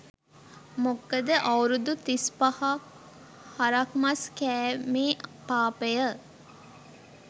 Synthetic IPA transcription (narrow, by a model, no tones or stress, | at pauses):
mokːəd̪əʔɐwɾud̪ut̪ispɐhɐk | hɐɾɐkmɐskæːmeːpaːpəjə